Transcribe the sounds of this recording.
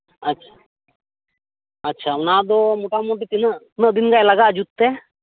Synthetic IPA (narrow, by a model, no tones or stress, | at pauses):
ɐtːʃʰḁ | ɐtːʃʰaunaːd̪omoʈamoʈ̬it̪inə | nəd̪inɡajlɐɡad͡ʒut̪ːe